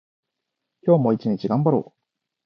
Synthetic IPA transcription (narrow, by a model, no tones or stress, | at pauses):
kʲo̞ːmo̞it͡ɕiɲ̟it͡ɕiɡãmbaɾo̞̰ː